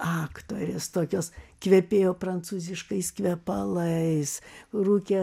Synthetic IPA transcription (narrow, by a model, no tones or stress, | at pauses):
ɑːkt̪oːɾʲest̪oːkʲoːskʋʲɛpʲeːjoːpɾɐnt̪suːzʲɪʃkɐɪskʋʲɛpɐlˠɐɪsruːkʲɛ